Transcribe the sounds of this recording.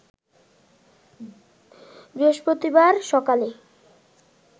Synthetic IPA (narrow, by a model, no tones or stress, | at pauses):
beʃpɾot̪ibaɾʃɔkale